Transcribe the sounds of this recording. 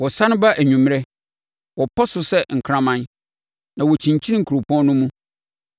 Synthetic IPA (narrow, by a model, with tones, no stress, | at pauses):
wɔ˨sã˦nʊ̃˦ba˦ʔæ˨ɲũ˨m˦ɾɛ˦ | wɔ˨pʰɔ˦sʊ˨sɛ˦ŋ̩˨kʰɾã˦mã˦˨n | nã˨wɔ˨t͡ɕʰĩ˨ɲ˨t͡ɕʰĩ˦n˦ŋ̩˨kʰu˨ɾo˨pʰɔ̃˦nnʊ̃˦mũ˦